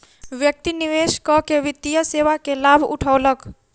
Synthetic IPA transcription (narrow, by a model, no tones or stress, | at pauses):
ʋjək̚t̪iniʋeːʃkɔkeʋɪt̪ːijəseːʋakelaːbʱʊ̰ʈʰalək